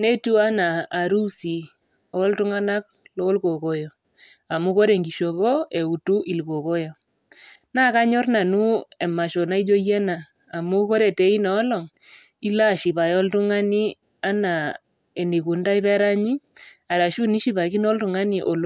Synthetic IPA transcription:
ne˦tu˦a˦naː˨ɾu˦si˨ | o˦ltu˦ŋa˦na˦k̚ | lɔ˦lko˨ko˦jɔ˨ | a˨mu˦ko˦ɾe˨ŋɡi˨ʃo˨βɔ˦e˨u˨tu˦ʔi˨lko˨ko˦jɔ˨ | na˦˨ka˦ɲɔ˦rna˨nu˦e˨ma˨ʃɔ˨na˦i˦d͡ʒo˦jɛ˦naː˨ | mu˦ko˦ɾe˨te˨˦i˦nɔː˨˦lɔ˨ŋ | i˦la˦˨ʃi˨βa˨jɔ˦ltu˦ŋa˦ni˦ | a˦na˨ | e˨ni˨ku˨nda˦i˦βɛ˦ɾa˦ɲi˦a˨ɾa˨ʃu˦ni˦ʃi˦βa˨ki˦nɔ˦ltu˨ŋa˦ni˨ʔo˨l

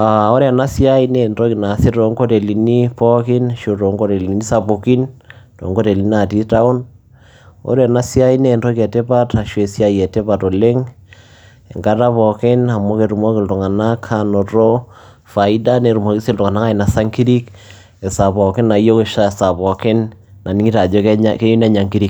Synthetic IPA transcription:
a˨o˦ɾe˦a˨na˦sja˦i˦ne˨nto˦ki˨na˨sɪ˦to˨ŋɡo˦te˨li˨ni˦pɔ˦kɪ˦nʃo˨to˨ŋɡo˦ɾe˨li˨ni˦sa˨po˨ki˦nto̰˨ŋɡo˦te˨li˨na˨ti˦ta˦o˦n | o̰˦ɾa˨na˦sja˦i˦ne˦˨nɾɔ˦kɛ˨te˦pa˦ta˨ʃe˨sja˦jɛ˨te˦pa˨to˨le˦ŋ | e˨ŋɡa˦ta˦pɔ˨kɪ˦na˨mo˦keɾu˨mɔ˦kɪ˨lto˨ŋa˨na˦kʰano˨ɾo˦ | fa˨i˦da˦ne˨ɾu˨mɔ˨ki˦se˦ltʊ˨ŋa˨na˦ka˦i˨na˨sa˦ŋki˦ɾi˦k | e˨sa˨pɔ˨kɪ˦na˨˦jo˦ke˨ʃa˦˨sa˨pɔ˨kɪ˦nna˨ni˦ŋi˦ta˨d͡ʒɔ˦kke˦ju˦nɛ˦ɲa˨ŋki˦ɾi˦k

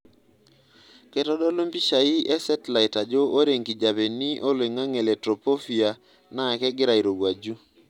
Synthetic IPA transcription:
kɛ˦tɔ˦dɔ˦lo˦mpi˦ʃa˨i˦ʔɛ˦sɛ˦tla˨ɪ˨ta˨d͡ʒɔ˦o˦ɾe˨ŋki˨d͡ʒa˨be˨ni˦ʔo˦le˨ŋa˦ŋe˨lɛ˨tɾo˨po˦fi˨a˨ | na˦ɛ˨kɛ˦ɡɪ˦ɾa˨i˨ɾo˨ɡwa˨d͡ʒu˦

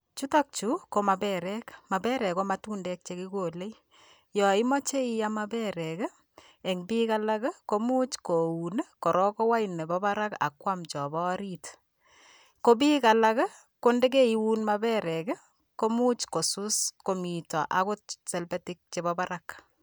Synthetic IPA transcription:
t͡ʃu˦ta˦k̚t͡ʃu˦ko˦ma˨bɛɾɛkma˨bɛ˦ɾɛ˨ko˦matuː˦ndɛ˦k̚t͡ʃe˦ki˦ko˨le˦j | jɔ˨i˦mɔ˦t͡ʃe˦i˦ja˦ma˦bɛ˦ɾɛ˨k | e˨ŋbika˦lakko˦mu˦t͡ʃko˨unko˨ɾɔ˦ko˦wa˦jne˨bɔba˦ɾa˦ka̰˨kwamt͡ʃɔ˨bɔ˦ɾi˦t | ko˦biː˦ka˨la˦k | ko˦nde˦k̬e˦i˨wu˦nma˦bɛ˦ɾɛ˨k | ko˦mu˦t͡ʃko˨su˦sko˨mi˨tɔ˨ʔa˦ko˦t̚se˨lbetik̚t͡ʃe˨bɔba˦ɾak

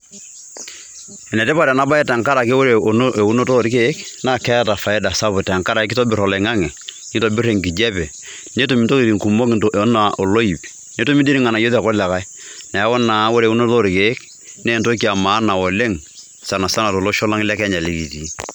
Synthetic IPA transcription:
ɛ˨nɛ˨tɛ˦pa˨ɾɛ˨na˦ba˦ɛ˦ta˨ŋka˦ɾa˨ke˦wo˦ɾe˨no˦ʔe˨u˦no˦to˦˨ɾi˦ke˦kna˦˨kɛ˦ta˨fa˨ɛ˦da˨sa˦bʊ˨ta˨ŋka˦ɾa˨ɪ˦kɪ˦to˦bɪ˨ɾɔ˨la˨ŋa˦ŋɛ˨ | ni˦to˨bɪ˦ɾe˨ŋki˨d͡ʒɛ˦pɛ˨ | ne˦to˨mi˨nto˦ki˨ɾi˨ŋku˨mo˦kʔna˨ʔo˨lo˦i˨p | ne˦to˦mi˦di˦ɾi˦ŋa˨na˨jo˦ðɛ˨kɔ˦lɛ˨ka˦ | na˨˦wɔ˦na˨˦wo˦ɾe˨u˦no˦to˦˨ɾi˨ke˨˦k | ne˦˨nto˦ki˨a˨maː˨˦na˨ɔ˨le˦ŋ | sa˨na˨sa˦na˨to˨lo˦ʃɔ˦la˦ŋ˦lɛ˦kɛ˦ɲa˨li˦ki˨ti˨˦

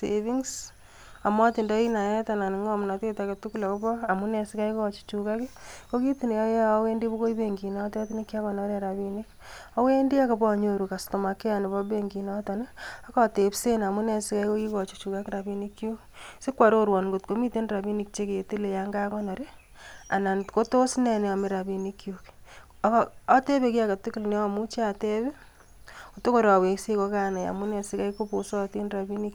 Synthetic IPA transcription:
sevi˦ŋs | a˨mɔ˦tɪ˨ndɔ˦i˦na˨jɛ˦ta˨na˨nɪ˨ŋɔ˦˨m˨na˨te˦ta˨ke˨tu˦ku˦la˨kɔ˦bɔ˦a˨mu˦nɛ˨sɪ˦ka˦ikːt͡ʃi̥˦t͡ʃuka˦kɪ˦ko˦ki˦ti˨ne˨ja˦ja˦we˦ndi˦bo˦ko˦i˦be˦ŋɡi˨nɔ˦tːti˦ne˦kːa˦kɔ˨nɔ˦ɾe˦ɾa˨bi˦ni˦ka˦we˦ndi˦a˦kɔ˨bɔ˦˨ɲo˨ɾu˨ka˨sto˨ma˨ke˦a˨nɪ˨bɔ˦be˦ŋɡi˨nɔtɔ˨ne˦a˦kɔ˦te˨pse˦na˨mu˦nɛ˨sɪ˦ka˦iko˦ki˦kɔ˨t͡ʃo̥˦t͡ʃu˨ka˦kɪɾa˨bi˦ni˦kːjo˦ | sɪ˦kwa˨ɾo˦ɾwɔ˨nŋɡo˨tko˨mi˦te˦nra˨bi˦ni˨k̚t͡ʃe˦ke˨e˨te˦le˨ja˦ŋɡa˦kɔ˦nɔ˨ɾe˦ | a˨na˨ntko˦to˦snɛ˨ne˨a˨mi˦ɾa˨bi˨ni˦kjuk | a˦te˦be˨ki˦a˦ka˨tɪ˦kɪ˦lne˦a˨mu˦t͡ʃa˨te˦be˦ | o˨to˦ko˨ɾa˨we˨se˦kɔ˦ka˦˨na˨ja̰˨mu˦nɛ˨sɪka˦iko˦po˨sɔ˦ti˦nra˨bi˦ni˦k

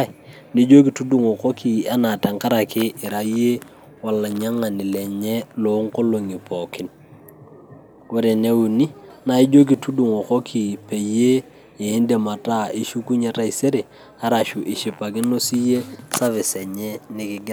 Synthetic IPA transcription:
ni˦d͡ʒo˦k̬i˨tu˦du˨ŋɔ˨ko˦ki˨a˦na˨ta˨ŋka˦ɾa˨kɪ˦ɪ˨ɾa˨˦je˦ | wa˨la˨ɲa˦ŋa˨nɪ˨lɛ˨ɲɛ˦lo˨˦ŋko˦lo˨ŋi˨pɔ˨kɪ˦n | ko˦ɾe˨ne˦u˨ni˦na˨i˦d͡ʒo˦k̬i˨tu˦du˨ŋɔ˨ko˦kʰi˨pe˨je˦ | eː˨˦nde˨ma˨ta˦i˦ʃu˦ku˦ɲe˦ta˦i˨se˦ɾe˨ | a˦ɾa˨ʃu˨ʔɪ˨ʃi˨pa˨kɪ˦no˦si˦je˦sa˦vɪ˨sɛ˨ɲɛ˦nɪ˦kɪ˦ɡ

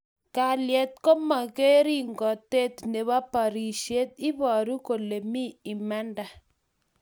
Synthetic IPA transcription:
ka˨ljɛ˨t̪̚ko˦ma˨ke˦ɾi˦ŋɡɔ˨te˦t̪ne˨βa˦pa˨ɾi˨ʃe˦t̪̚ɪ˦bɔ˨ɾu˦ko˨le˨mi˦ɪ˨mɛ˦nda˨

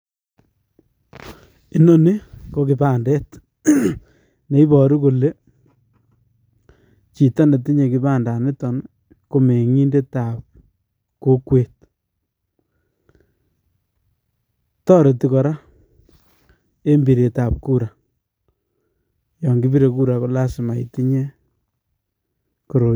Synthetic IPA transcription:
i˦no˦ni˦ko˨ki˨ba˦˨ndɛ˦t | ne˨i˦bɔ˨ɾi˦ko˨le˦ | t͡ʃi˨ta˦nde˨t̬i˦ɲe˨kɪ˨ba˦nda˨nɪ˦tɔ˨n | ko˨me˨ŋi˦nde˦ta˨p̚ | ko˦kwe˨t̚ | tɔ˦ɾe˨ti˦kɔ˨ɾa˦ | e˦mbi˨ɾe˨ta˨p̚ku˦ɾa˨ | jɔ˨ŋɡi˦bi˦ɾe˨ku˦ɾa˨ko˦la˦sɪ˨ma˨jiti˦ɲe˦ | ko˨ɾo˨

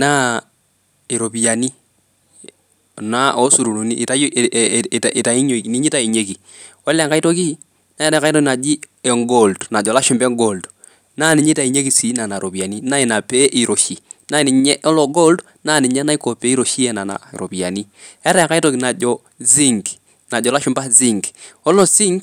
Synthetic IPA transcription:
na˦ | i˨ɾo˨pi˨ja˨ni˦ | na˦o˦su˨ɾu˨nu˨ni˦ʔta˨˦j | i˨ta˨i˦ɲo˦˨ni˦ɲi˦ta˦˨i˨ɲe˦ki˨ | wɔ˦lɛ˨ŋka˦i˦to˦ki˦ | na˦ɛ˦ɾɛ˨˦ka˦tɔ˦ki˨na˨d͡ʒi˦ɛ˨ŋɡo˨ldna˨d͡ʒɔ˨la˦ʃʊ˦mbɛ˦ŋɡo˨ld | na˦ni˨ɲi˦ta˨i˨ɲe˦ki˨si˨˦na˨na˨ɾo˨pi˨a˨ni˦na˦i˨na˨pe˦ʔi˨ɾo˨ʃi˨na˦˨ni˨ɲɛ˦ʔɔ˦lɔ˨ɡo˦ld | na˦˨ni˨ɲɛ˦na˦i˦ko˨pe˨˦i˦ɾo˨ʃi˦ɛ˨na˨na̰˨ɾo̰˨pi˨a̰˨ni˦ɛ˦ɾɛ˨ka˦i˦to˦ki˨na˨d͡ʒɔ˨ | zi˦ŋɡ | na˨d͡ʒɔ˨la˦ʃʊ˦mba˦zi˦˨ŋɡɔ˦lɔ˦zi˦ŋɡ

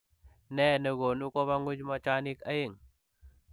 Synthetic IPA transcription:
ne˦˨nə˨ɡo˨nu˦ko˦βa˦ŋɡu˦d͡ʒma˦t͡ʃa˦ni˦ka˦je˦˨ŋ

